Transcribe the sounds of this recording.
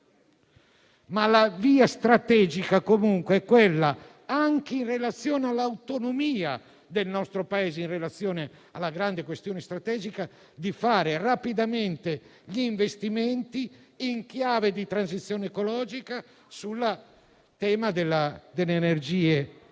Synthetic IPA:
malaviːast̪ɾat̪ɛːd͡ʒikakomuŋkweɛkːwelːa | aŋk̟einrelat̪sːjɔːnealːawt̪onomiːa | d̪elnɔst̪ɾopaeːzeinrelat̪sːjɔːne | alːaɡɾand̪ekwest̪jɔːnest̪ɾat̪ɛːd͡ʒika | d̪ifaːɾerapid̪ament̪eʎiːɱvest̪iment̪i | iŋkjaːved̪it̪ɾanzit̪sːjoːneekolɔːd͡ʒika | sulːa | t̪ɛːmad̪elːad̪elːeːnerd͡ʒiːe

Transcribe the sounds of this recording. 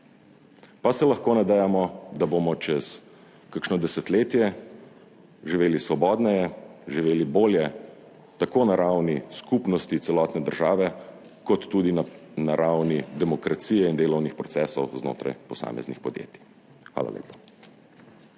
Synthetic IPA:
pasɛlɐxkoːnad̪ɛjamɔd̪abomɔt͡ʃɛs | kaɾkʃnɔd̪ɛsɛt̪leːt̪jɛ | ʒiʋeːlisʋɔbɔːd̪nɛjɛʒiʋeːliboːljɛ | t̪akoːnaɾawniskupnɔst̪it̪sɛlɔːt̪nɛd̪əɾʒaːʋɛ | kɔt̪ːuːd̪innaɾawnid̪ɛmɔkɾat̪sijɛind̪eːlɔwnixpɾɔt̪sɛːsɔwzno̰ːt̪ɾa̰jpɔsa̰ːmɛ̰znixpɔd̪jḛːt̪i̥ | xʋa̰ːla̰ljḛːpḁ

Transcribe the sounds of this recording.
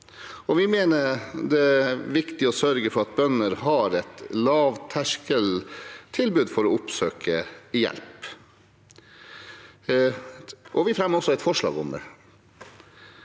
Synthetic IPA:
ɔʋɪmeːnəd̪ɛæʋɪkt̪ɪɔsœɾɡəfɔɾɑt̪̚bœnəɾɦɑɾɛt̪lɑːʋt̪ʰæʂkəlt̪ʰɪlbʉːd̪fɔɾɔʊpsøːkʰəɪjɛ̰lp | ʔɔʋɪfɾɛmːəɾɔsːɔɛɪt̪fɔʂɭɑ̰ːɡʊmd̪ɛ̰

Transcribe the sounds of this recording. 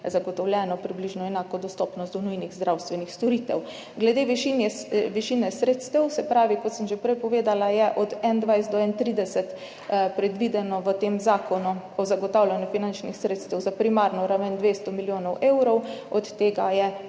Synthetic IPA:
zaɡɔt̪ɔwlʲjɛnɔpɾibliʒnɔɛnaːkɔd̪ɔst̪ɔpnɔst̪d̪ɔnujniɣzd̪ɾʔawst̪ʋɛnixst̪ɔɾit̪ɛw | ɡlɛd̪eːʋiʃinjɛʋiʃinɛsɾeːt̪st̪ɛwsɛpɾaːʋikɔt̪səmʒɛpɾɛjpɔʋeːd̪alajɛʔɔd̪ɛnd̪ʋajsd̪ɔɛnt̪ɾiːd̪ɛsɛt̪ | pɾɛd̪ʋid̪ɛnɔʋət̪eːmzaːkʰɔnu | ɔzaɡɔt̪awlʲjanjufinant͡ʃnixsɾeːt̪st̪ɛwzapɾimaɾnɔɾaʋənd̪ʋeːst̪ɔmiljoːnɔwʔewɾɔwɔt̪ːeːɡajɛ

